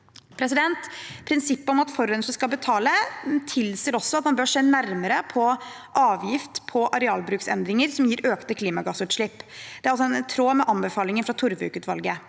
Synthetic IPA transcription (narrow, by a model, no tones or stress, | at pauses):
pʰɾɛs̬ɪd̪ɛnt̪pʰɾɪnsɪpːəɔmɑt̪fɔɾœnʂəskɑbət̪ʰɑːlət̪ʰɪlseːɾɔsːɔɑt̪mɑnbøːʂeːnæɾməɾəpʰɔ | ʔɑːʋjɪft̪pʰɔʔɑɾɛɑːlbɾʉːksɛ̰nd̪ɾɪŋəɾsɔmjiːɾøːkt̪əkʰliːmɑɡɑsʉːt̪ʂɭɪpːd̪ɛæɾɑlsɔɛnt̪ʰɾoːmɛʔɑnbəfɑːlɪŋənfɾɑt̪ʰʊɾʋʉ̰ːkʉt̪ʋɑ̰lɡə